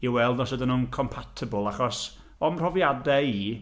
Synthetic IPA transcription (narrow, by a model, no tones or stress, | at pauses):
iwɛlˠdnɔsədənunkʰɔmpʰatʰɪbəlˠaχɔs | ɔmr̥ɔvjadɛiː